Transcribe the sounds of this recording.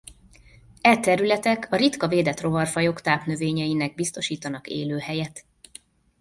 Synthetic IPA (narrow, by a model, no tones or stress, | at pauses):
ɛt̪ɛɾylɛt̪ɛkʰɒɾit̪kɒveːd̪ɛt̪ro̞vɒrfɒjo̞kt̪aːpnø̞veːɲɛjinɛɡ̚bist̪o̞ʃiːt̪ɒnɒkḛːløːhɛjɛt̪